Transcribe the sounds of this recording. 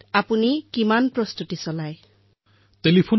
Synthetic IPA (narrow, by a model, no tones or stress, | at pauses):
apunikimanpɾɔst̪ut̪isɔlaj | telipʰun